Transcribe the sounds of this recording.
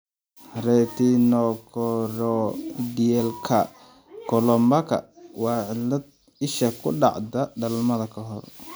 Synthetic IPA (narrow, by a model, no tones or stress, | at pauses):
rɛt̪ʰinɔkʰɔɾɔd̪iɛlkʰɐ | kʰɔlɔmbɐkʰɐ̰wɑːʕɪlɐd̪̚ | ɪʃɐkʰʊ̰ɖɑ̰ʕd̪ɐɖɐlmɐðɐkʰɐɦɔr